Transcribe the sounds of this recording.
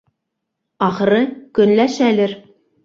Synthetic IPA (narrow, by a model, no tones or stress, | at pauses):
ɑχɤ̆ɾɤkɵ̆nlæʃælɘɾ